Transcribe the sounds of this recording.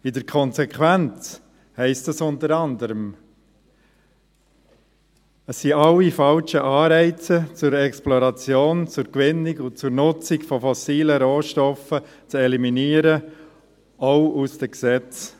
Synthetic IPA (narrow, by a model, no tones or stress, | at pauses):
ɪdəɾkʰɔnzɛkʰwænt͡s | hɛɪstəsʊnt̪əɾɑnd̪əɾəm | əsːiɑlːifɑlʃəʔɑːɾɛɪt͡sət͡sʊɾɛksplɔɾɑt͡sjoːnt͡sʊɾkʋɪnːɪkʊt͡sʊɾnʊt͡sɪkfɔfɔsiːləɾoːʃtɔfə | t͡sɛliminiːəɾə | oʊusd̥əksɛt͡s